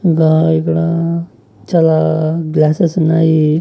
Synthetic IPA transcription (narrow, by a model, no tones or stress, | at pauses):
ɡãekɽa | t͡ʃalaɡlasəsnaɦi